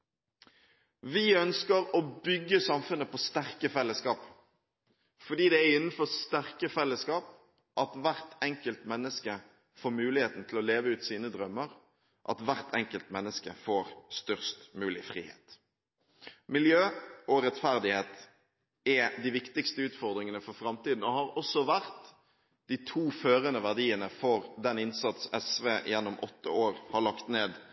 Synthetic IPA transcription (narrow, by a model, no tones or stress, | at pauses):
ʋɪœnskəɾɔbʏɡːəsɑmfʉnːəpʰɔst̪æʁkəfɛlːəskɑːp | fɔɖ̪iːd̪ɛæɪnn̩fɔst̪æʁkəfɛlːəskɑːp | ʔɑt̪ʋæʁt̪ɛŋkəlt̪mɛnːəskə | foːmʉːlɪheːt̪n̩t̪ʰɪlɔleːʋəʉːt̪siːnəd̪ʁœmːəʁ | ʔɑt̪ʋæʁt̪ʰɛŋkəlt̪mɛnːəskə̰foːʁst̪œʁst̪mʉːlɪfʁḭːhḛːt̪ | mɪljøːɔɾɛt̪fæʁd̪ɪheːt̪ | ɛd̪ɪʋɪkt̪ɪkst̪əʉːt̪fɔʁd̪ɾɪŋənəfɔfɾɑmt̪iːd̪n̩ɔhɑɾɔsːɔʋæʁt̪ | d̪̥it̪ʰuːføːɾənəʋæʁd̪iːənəfɔɾd̪ɛnɪnsɑt̪sɛsʋeːjɛnːʊmʔɔt̪ːə̰oːɾhɑɭɑkt̪neːd̪